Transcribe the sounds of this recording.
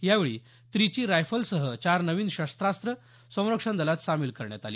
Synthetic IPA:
jaʋeɭḭː | t̪ɾit͡ɕiːɾajfəlsəɦət͡ɕaɾnəʋiːnɕast̪ɾast̪ɾə | sə̃w̃ɾəkʂənd̪əlat̪samiːlkəɾɳja̰t̪aliː

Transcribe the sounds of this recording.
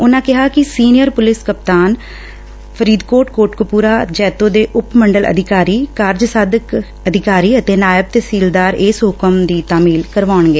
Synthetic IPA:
ʊnãːkɪɦaːkɪsiːnɪjəɾpʊlɪskəpt̪aːn | pʰəɾiːd̪koːʈkoːʈkʊpuːɾaːd͡ʒɛːt̪õːd̪eːʔʊpməɳɖəlʔə̰d̪ʱɪkaːɾiːkaːɾd͡ʒsaːd̪ək | əd̪ʱɪkaːɾiːət̪eːnaːjəb̚t̪eːsiːld̪aːɾɪːsɦʊkəmd̪iːt̪aːmiːlkəɾʋaːʊɳɡeː

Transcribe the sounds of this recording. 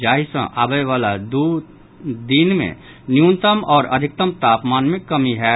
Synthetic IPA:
d͡ʒaːɦisə̰̃ʔaːbəjʋaːlad̪u | d̪inmḛ̃ | njũnt̪əmɔːɾɐ̰d̪ʱɪk̚t̪əmt̪aːpmaːnmɪ̃kːəmiɦɛː

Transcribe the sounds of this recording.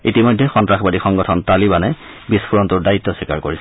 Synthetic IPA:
itimɔjdʱːɛxɔntɹaxbadixɔŋɡɔtʰɔntalibanɛ | bispʰuɹɔntʊɹdaitːɔsikaɹkoɹisɛ

